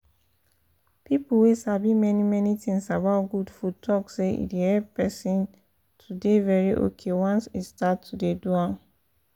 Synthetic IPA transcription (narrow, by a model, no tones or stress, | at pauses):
pipuwesabimɛnimɛnitĩŋsabaʊtɡudfutʰɔkseḭdehɛppɛsĩn | tʰudevɛɹiʔo̰kʰewɔ̃nsistatʰːudeduãm